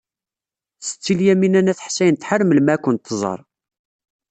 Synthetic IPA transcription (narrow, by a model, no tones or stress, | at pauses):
θsə̥t͡sːiljæminænæθħsːæjənt̪ħərməlmæːkʷːənt̪ːzˤɑ̰ɾˤ